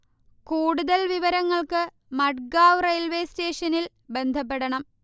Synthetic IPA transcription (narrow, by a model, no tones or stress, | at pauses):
kuːɽuðɐlʋiʋɐɾɐŋːɐɭkɨ | mɐʈ̚ɡaːwrɐjlʋeːste̞ːʂɐnil | be̞nd̪ʱɐp̬ːeɽɐɳɐm